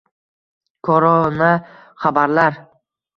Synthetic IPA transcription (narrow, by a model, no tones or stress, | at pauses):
kʰɒɾɒna | χabaɾlaɾ